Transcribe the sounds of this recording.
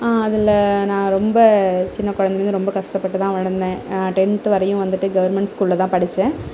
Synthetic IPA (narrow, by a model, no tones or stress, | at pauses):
aːɐðɪlːɐnãːɾɔmbɐt͡ʃɪnːɐkɔɻɐnd̪ɪɾɯnd̪ɯɾɔmbɐkɐʂʈɐpːɐʈːɯt̪ãːʋɐɻɐnd̪ẽːnãːʈɛntɯʋɐɾɐjʊ̃ʋɐnd̪ɯʈːɯɡɐʋɐɾmɛɳʈskuːllɐt̪ãːpɐɽɪt͡ʃːẽː